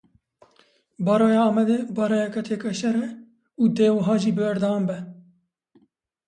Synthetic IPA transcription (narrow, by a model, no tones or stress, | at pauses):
bɑːɾɑːjɑːɑːmɛd̪ebɑːɾɑːjɛkɛt̪ʰeːkɛʃɛɾɛ | uːd̪eːwɐɦɑːʒiːbɨbɛɾd̪ɑwɑːmbɛ